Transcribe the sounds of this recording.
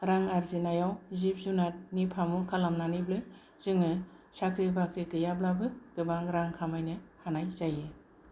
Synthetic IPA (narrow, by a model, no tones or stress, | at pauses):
ɾaŋaɾzinajawzip̚zunat̚nipʰamukʰalamnaniblɯ | z̥ɯŋɯ | sakʰɾibakɾikɯjablabɯɡɯbaŋɾaŋkʰamajnɯhanajzajɯ